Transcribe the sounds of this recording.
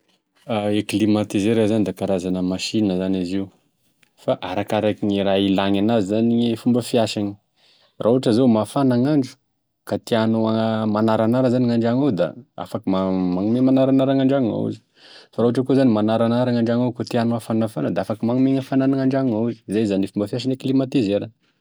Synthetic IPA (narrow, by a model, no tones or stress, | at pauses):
aeklimat̪izeɾazanid̪akaɾazanəmaʃinəzaniziu | faʔaɾakaɾakiŋiɾailaŋanazizaniifumbəfiaʃaɲi̥ | rʔauaʈ͡ʂəzomafanaŋaɳɖ͡ʐu̥ | kat̪ianuamanaɾanaɾəzaniŋaɳɖ͡ʐaŋawd̪a̰a̰fakəmamaŋumemanaɾanaɾaŋaɳɖ͡ʐaŋa̰ṵzi̥ | faɾaaʈ͡ʂəkuzanimanaɾanaɾaŋaɳɖ͡ʐaŋawkot̪ianoafanafanəd̪aafakimaŋumeɲafananaŋaɳɖ͡ʐaŋŋauzi̥zajzanifumbəfjaʃ̬aniklimat̪izeɾə